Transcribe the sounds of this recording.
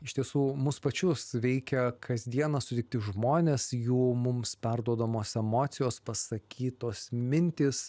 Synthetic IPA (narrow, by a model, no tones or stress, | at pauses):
ɪʃt̪ʲiɛsuːmʊspɐt͡ʃʲʊsʋʲɛɪkʲɛkʰɐzʲd̪ʲiɛnɐsʊt̪ʲɛɪkt̪ʲɪʒmoːnʲeːsjuːmʊmspʲɛrd̪uɔd̪ɐmoːsɛmoːt̪sʲɪjoːspɐsɐkʲiːt̪oːsmʲɪnʲt̪ʲɪs